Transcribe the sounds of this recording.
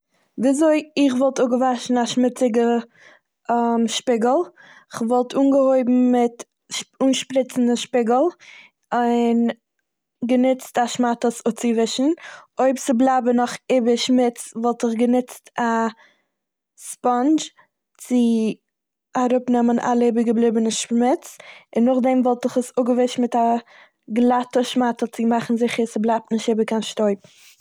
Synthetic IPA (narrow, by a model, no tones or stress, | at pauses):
viːzoɪɪχvɔlˠtʊɡəvaʃn̩aʃmɪt͡sɪɡə | amʃpɪɡəl̩ˠɪχvɔlˠtʰuːnɡəhoɪbm̩mɪt | uːnʃpɾɪt͡sn̩dəʃpɪɡəl̩ˠ | ɪn | ɡənɪt͡staʃmatəsʊt͡sɪvɪʃn̩oɪpt͡sɪblˠabənɔχɪbəʃmɪt͡svɔlˠtɪχɡənɪt͡sta | spɔnd͡ʒ | t͡sɪ | aɾʊpnɛmənʔa̰lˠɪbɪɡəblˠɪbənəʃmɪt͡sɪnːʊχdɛmvɔlˠtɪχəsʊɡəvɪʃtmɪta | ɡlˠatəʃmatət͡sɪmaχn̩zɪχəɾsɪblˠap̚tnɪʃtɪːbəkanʃtoɪp̚